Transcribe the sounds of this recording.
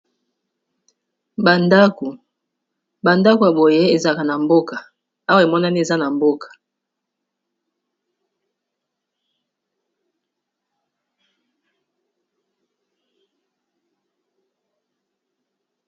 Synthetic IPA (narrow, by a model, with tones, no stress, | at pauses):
ba˨nda˦ku˨ | ba˨nda˦ko˨ja˨bo˨je˦e˨za˦ka˨na˨mbo˦ka˨ | a˦wa˦e˨mɔ˦na˦ni˦e˨za˦na˨mbo˦kʰḁ˨